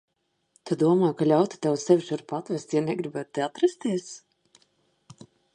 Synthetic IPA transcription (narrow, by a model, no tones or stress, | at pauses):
t̪ʰad̪uɔmaːjkalʲawt̪i̥t̪awsɛviʃaɾpat̪væst̪janɛɡɾibæt̪̚t̪eat̪ɾast̪iɛs